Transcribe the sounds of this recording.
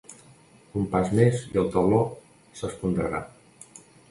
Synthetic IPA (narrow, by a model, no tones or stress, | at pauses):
umpazmezḭəlˠt̪əβlɔ | səspund̪ɾə̰ɾa̰